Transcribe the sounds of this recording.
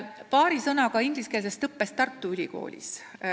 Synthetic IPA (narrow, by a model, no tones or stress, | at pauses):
pɑːɾisɤnɑɡ̥ɑiŋɡ̥liskels̬est̪ɤpːest̪ɑrt̪ːˑuylʲiko̞̰ːlʲḭs